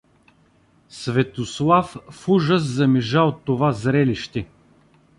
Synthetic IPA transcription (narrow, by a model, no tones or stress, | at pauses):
svɛt̪oslˠaffuʒəs̬zɐmiʒaot̪ːovazɾɛliʃt̪ɛ